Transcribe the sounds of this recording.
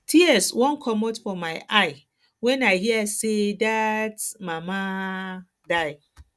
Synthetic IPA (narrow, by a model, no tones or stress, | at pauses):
tʰiɛswɔ̃nkʰɔmotfɔmaɪʔaɪ | wɛ̃naɪhiasedatmãma | daɪ